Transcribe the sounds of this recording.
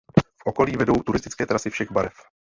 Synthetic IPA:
fʔo̞ko̞liːvɛdo̞wt̪uɾɪst̪ɪt͡skɛːt̪ɾasɪfʃɛɣbaɾɛf

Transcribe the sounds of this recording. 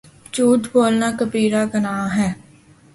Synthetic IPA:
t͡ʃuːʈ̪boːlnaːkəpiːɾaːɡənaːɦɛː

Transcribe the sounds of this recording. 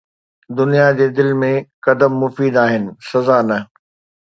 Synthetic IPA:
d̪ʊnijad͡ʑeːd̪ɪlmẽkɐd̪əmːʊfiːd̪aːɦɪnɪ̆sɐzaːnɐ

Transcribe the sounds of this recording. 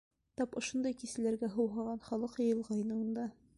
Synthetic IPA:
t̪ɒpŏʃond̪ɤjkisɘ̆læɾɡæɦɤ̆wɦɑʁɑnχɒlˠɤqjɤ̆jɤ̆lˠʁɑjnɤɤ̆nd̪ɑ

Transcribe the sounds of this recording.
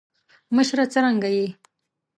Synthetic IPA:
məʃɾat͡səɾaŋɡaji

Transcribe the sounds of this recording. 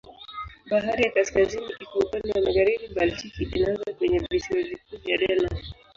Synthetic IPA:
ɓaɦaɾijakaskaziniʔikɔupandɛwamaɣaɾiɓibaltikiɓinanzakwɛɲɛvisiwɔvikuvjaɗɛna

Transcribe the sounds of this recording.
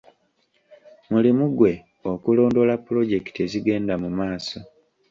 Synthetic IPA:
mulimuɡwe̞ | o̞kulo̞ːndo̞lapːulo̞ɟe̞kteziɡe̞ːndamumaːso̞

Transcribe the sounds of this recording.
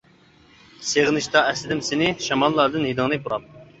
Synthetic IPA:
seʁnɨʃt̪ɑɛsɪd̪ɪmsɪnɪʃɑmɑlˠːɑɾd̪ɨnhid̪ɨŋnɨbuɾɑp̚

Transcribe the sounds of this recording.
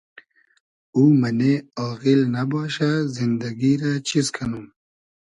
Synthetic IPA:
uːmɐneɔːɣilnabɔːʃazɪnd̪aɡiɾat͡ʃizkʰanum

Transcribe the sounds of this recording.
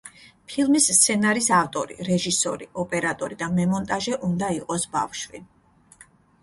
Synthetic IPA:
pʰilˠmist̪sʰɛnaɾisaft̪ʼɔɾḭɾɛʒisɔ̰ɾḭɔpʼɛɾat̪ʼɔɾid̪amɛmɔnt̪ʼaʒɛʔund̪aiqʼɔsba̰fʃwi

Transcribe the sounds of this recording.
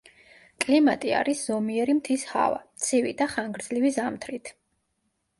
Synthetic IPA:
kʼlimat̪ʼia̰ɾisz̥ɔmiɛɾimt̪ʰisha̰va̰t̪sʰivḭd̪aχaŋɡɾd̪zlivizamt̪ʰɾit̪ʰ

